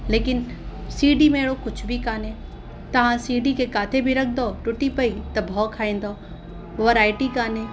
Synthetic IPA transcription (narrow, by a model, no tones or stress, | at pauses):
leːkɪn | siːɖimeːɽokʊt͡ʃʰbʱikaːnẽː | t̪ɐʋ̤ãsiːɖikekaːt̪ʰebʱiɾɐk̚ʰd̪oːʈʊʈipɐit̪ɐbʱɔːkʰaːẽːn̆d̪oː | ʋɐɾaːɪʈikaːnẽː